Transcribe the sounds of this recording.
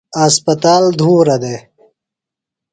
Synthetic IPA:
aːspɐt̪aːld̪ʱuːɾɐd̪eː

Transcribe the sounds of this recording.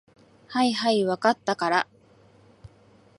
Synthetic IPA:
haiɦaiβakat̪ːakaɾa

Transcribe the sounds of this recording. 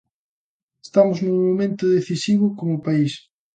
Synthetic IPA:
est̪amʊznʊmomẽnt̪ʊðeθisiβ̞ʊkomʊpais

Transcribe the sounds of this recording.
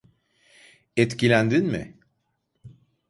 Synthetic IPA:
ɛt̪cilʲænd̪inmɪ̰

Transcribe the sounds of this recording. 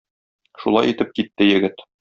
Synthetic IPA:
ʃulˠɑjit̪ɘp̚kit̪ːɘjɘ̆ɡɘt̪

